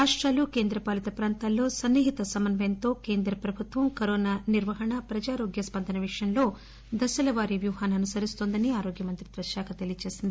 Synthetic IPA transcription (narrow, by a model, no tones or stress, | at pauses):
ɾaːʂʈɾaːlukeːnd̪ɾɐpaːlit̪ɐpɾaːnt̪aːlːo̞ːsɐnːiɦit̪ɐsɐmɐnbʱent̪o̞ːkeːnd̪ɾɐpɾɐbʱut̪ʋɐmkɐɾoːnaːniɾʋɐɦɐɳɐpɾɐd͡ʒaːɾo̞ːɡjɐspɐnd̪ʱɐnɐʋiʂɐjɐmlo̞ː | d̪ɐsɐlɐʋaːɾiʋjuːɦaːnuɐnusɐɾist̪oːnd̪ɐniaːɾo̞ːɡjɐmɐnt̪ɾid̪ʋɐɾʃaːkʰɐt̪elijɐt͡ʃe̞ːsind̪ii